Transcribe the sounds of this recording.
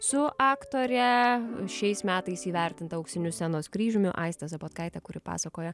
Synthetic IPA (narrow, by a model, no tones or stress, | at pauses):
sʊʔɑːkt̪oːɾʲɛʃʲɛɪsmʲæːt̪ɐɪsiːʋʲɛɾʲt̪ʲɪnt̪ɐɐʊksʲɪnʲʊsʲɛnoːskɾʲiːʒʲʊmʲʊʔɑ̰ɪst̪ɐsɐpoːt̪kɐɪt̪ʲɛkʊɾʲɪpɑ̰ːsɐkoːjɛ